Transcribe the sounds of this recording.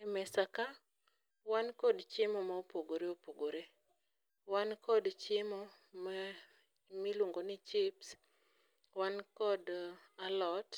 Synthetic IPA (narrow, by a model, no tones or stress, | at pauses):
mɛsaka | wankɔdt͡ʃɪmɔmaopoɡoɾeopoɡoɾe | wankɔdt͡ʃɪmɔ | ma | miluŋɡonɪt͡ʃɪps | wankɔd | alɔt